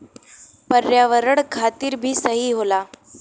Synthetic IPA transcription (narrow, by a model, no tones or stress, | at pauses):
pəɾjaʋəɾəɽkʰat̪iːɾbʱiːsəɦiːɦola